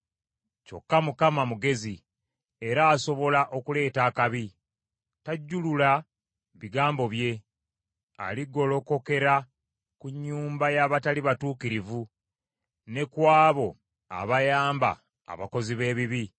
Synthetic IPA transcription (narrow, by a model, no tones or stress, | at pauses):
t͡ʃo̞̰kːamukamamuɡe̞zi | e̞ɾaːso̞βo̞laʔo̞kule̞ːtaːkaβi | taɟːulula | βiɡaːmbo̞βje̞ | a̰liɡo̞lo̞ko̞ke̞ɾa | kuɲːuːmbajaβataliβatuːkiɾivu | ne̞kwaːβo̞ | a̰βajaːmba̰ | a̰βa̰ko̞ziβe̞ːβiβi